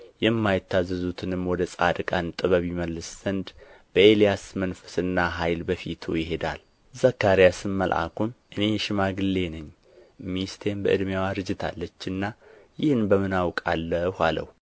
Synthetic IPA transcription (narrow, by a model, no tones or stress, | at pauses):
jɛmːajɪt̪ːazːəzut̪ʰɨnɨmwɔd̪əsʼa̰d̪kʼant̪ʼɨβəβiməlːɨsz̥ənd̪b̥əelijasmənfə̥sɨnːaɦajlbəfit̪ʰujɪɦe̞d̪a̰l | zəkːaɾijasɨmːəlʔa̰kʰumʔɨne̞jɛʃɪmaɡɨlːe̞nəɲː | mist̪ʰenbəʔɨd̪mjawaɾɨd͡ʒɨt̪ʰa̰lːət͡ʃːɨnːajɪhɨnbəmɨnawkʼalːəhʷalə̰h